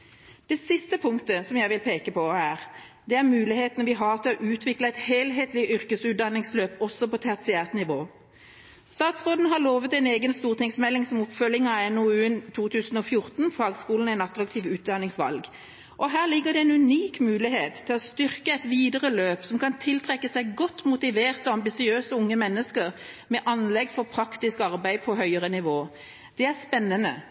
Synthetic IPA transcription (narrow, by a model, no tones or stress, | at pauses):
d̪̥ɛsɪst̪əpʰʊŋkt̪əsɔmjæɪʋɪlpʰeːkəpʰɔæːʁd̪ɛæʁmʉːlɪheːt̪ənəʋɪɦɑːʁt̪ʰɪlɔʔʉːt̪ʰʋɪkləæɪt̪heːlɦeːt̪lɪʔʏʁkəsʉːt̪̚d̪ɑnɪŋsløːpɔsːɔpɔt̪ʰɛt̪sɪæːʁt̪nɪʋoː | st̪ɑːt̪sʁoːd̪n̩əɦɑʁloːʋət̪æɪneːɡənst̪uːʁt̪ɪŋsmɛlːɪŋsɔmɔpfœlɪŋɑɛnuʉːnt̪ʰuːt̪ʰʉːsn̩ɔfjʊʁt̪nfɑːɡskuːln̩æɪnɑt̪ɾɑkt̪ʰiːʋʉːt̪̚d̪ɑnɪŋsʋɑ̰lɡ | ʔɔɦæːʁlɪɡːəd̪ɛɛɪnʉniːkmʉːlɪheːt̪ʰːɪlɔst̪ʏʁkəæɪt̪ʋiːd̪əɾəløːpsɔmkʰɑnt̪ʰɪlt̪ʰʁɛkːəsæɪɡɔt̪ːmʊt̪ɪʋeːʁt̪ɔɑmbɪsɪøːsəʊŋːəmɛnːəskəʁ | mɛʔɑnlɛɡfɔʁpʰʁɑkt̪ɪskɑʁbæɪpʰɔɦœʏəʁənɪʋoː | d̪̥ɛæʁspɛnːənə̰